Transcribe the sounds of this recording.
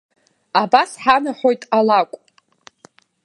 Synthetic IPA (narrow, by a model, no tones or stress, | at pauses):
abasħanaħo̞jtʼalakʷʼ